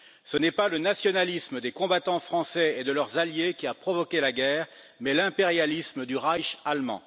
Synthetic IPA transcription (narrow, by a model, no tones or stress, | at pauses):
sənɛpalənasjɔnalisməd̪ekɔ̃bat̪ɑ̃fχɑ̃sɛed̪əlœʁzaljekʲiapχɔvɔkʲelaɡʲɛːʁ | mɛlɛ̃peʁjalisməd̪yʁajʃalmɑ̰̃